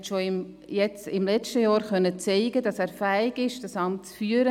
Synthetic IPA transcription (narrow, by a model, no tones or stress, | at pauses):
tʃoɪm | jɛt͡sɪmlɛt͡ʃtəjɑːɾχœnːət͡sɛɪɡ̥ədɑsæːɾfæːɪɡɪʃd̥ɑsɑmtt͡sfyːəɾə